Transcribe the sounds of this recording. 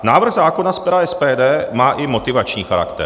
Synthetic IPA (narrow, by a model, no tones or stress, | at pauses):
naːvr̩ɣzaːkonaspɛɾaɛspɛːdɛːmaːʔɪmo̞t̪ɪvat͡ʃɲiːxaɾa̰kt̪ɛ̰